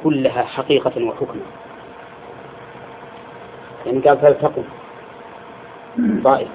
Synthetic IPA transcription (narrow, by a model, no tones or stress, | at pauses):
kʊlːaɦaːħaqiːqɑwaħʊkma | jaʕniɡaːlsabt̪ɑqum | t̪ˤɑːʔɪf